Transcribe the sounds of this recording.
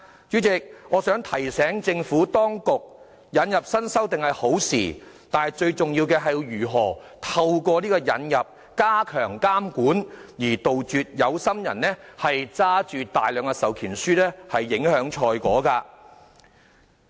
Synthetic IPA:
t͡ʃyː˨˥t͡sɪ˨k̚ŋɔː˨˧sœː˨˥ŋt̪ʰɐ˨˩jsɛː˨˥ŋt͡sɪ˧ŋfuː˨˥t̪ɔː˥ŋkʊ˨k̚ | jɐ˨˧njɐ˨p̚sɐ˥nsɐ˥wt̪ɪ˨ŋhɐ˨jho˨˥wsḭː˨˩ | t̪aː˨nhɐ˨jt͡ʃɵ˧ɥt͡sʊ˨ŋjiː˧wkɛː˧ɦɐ˨jjyː˨˩ɦɔː˨˩t̪ʰɐ˧wkʷɔː˧niː˥kɔː˧jɐ̰˨˥njɐ˨p̚ | kaː˥kʰœː˨˩ŋkaː˥mkuː˨˥njiː˨˩t̪o˨wt͡ʃyː˨t̚jɐ˨˧wsɐ˥mjɐ̰˨˩nnɛː˥hɐ˨jt͡saː˥t͡ʃyː˨t̪aː˨jlœː˨˧ŋa˧sɐ˨˩wkʰiː˨˩nsyː˥lɛː˥hɐ˨jːɪ˨˥ŋhœː˨˥ŋt͡ʃʰɔː˧jkɔ̰ː˨˥kaː˧

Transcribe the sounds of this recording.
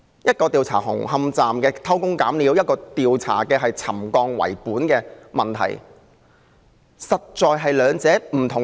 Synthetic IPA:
jɐ˥t̚kɔː˧t̪iː˨˧wt͡sʰa̰ː˨˩ɦʊ̰˨˩ŋɦɐ˧mt͡saː˨mkɛː˧t̪ʰɐ˥wkʊ˥ŋkaː˨˥mliː˨˥wjɐ˥t̚kɔː˧t̪iː˨wt͡sʰa̰ː˨˩kɛː˧ɦɐ˨jt͡sʰɐ̰˨˩mkɔː˧ŋwɐ̰˨˩jpuː˨˥nkɛː˧mɐ˨nt̪ʰɐ̰˨˩j | sɐ˨t̚t͡ʃɔː˨jɦɐ˨jlœː˨˧ŋt͡sɛː˨˥m̩˨˩t̪ʰʊ˨˩ŋ

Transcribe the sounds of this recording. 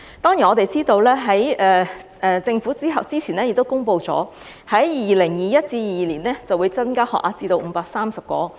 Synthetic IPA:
t̪ɔː˥ŋji˨˩ɔː˨˧t̪e˨jt͡siː˥t̪o˧wlɛː˥ɦɐ˨˥jɛː˧ʔɛː˧t͡sɪ˧ŋfu˨˥t͡siː˥ɦɐ˨wt͡siː˥t͡sʰiː˨˩nɛː˥jɪ˨k̚t̪o˥wkʊ˥ŋpo˧wt͡sɔ̰ː˨˥ | hɐ˨˥jjiː˨iː˨˩lɪ˨˩ŋjiː˨jɐ˥t̚t͡siː˧jiː˨˩jiː˨liː˨˩nlɛː˥t͡sɐ˨wuː˨˧jt͡sɐ˥nkaː˥hɔ̰ː˨k̚ʔaː˧t͡siː˧t̪o˧wm̩˨˧˥paː˧k̚saː˥msɐ˨p̚kɔ̰ː˨˥

